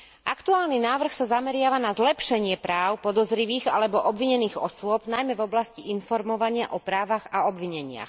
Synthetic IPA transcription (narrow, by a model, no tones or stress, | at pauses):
ʔakt̪uaːlninaːʋr̩xsazamɛɾɪaʋanazlɛpʃɛɲɪɛpɾaːʊpɔd̪ɔzɾiʋiːɣalɛbɔʔɔbʋiɲɛniːɣɔ̰sʊɔbnajmɛvɔblasciʔinfɔɾmɔʋaɲɪaʔɔpɾaːʋaɣaɔbʋiɲɛɲɪa̰x